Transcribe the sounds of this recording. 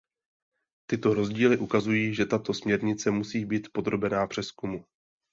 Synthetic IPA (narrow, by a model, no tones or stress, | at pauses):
t̪ɪt̪o̞ɾo̞zɟiːlɪʔukazujiːʒɛt̪at̪o̞smɲɛɾɲɪt͡sɛmusiːbiːt̪po̞d̪ɾo̞bɛnaːpr̥ɛskumu